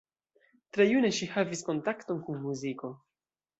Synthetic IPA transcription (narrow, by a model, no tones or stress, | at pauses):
tɾe̞june̞ʃihavisko̞ntakto̞nkunmuziko̞